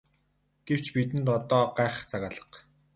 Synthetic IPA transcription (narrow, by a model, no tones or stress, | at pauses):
ɡ̥ew̥t͡ɕpit̪̬ɘ̆nt̪ɔt̪ɔːɢaːχ̆t͡sʰaɣaːɮə̥̆q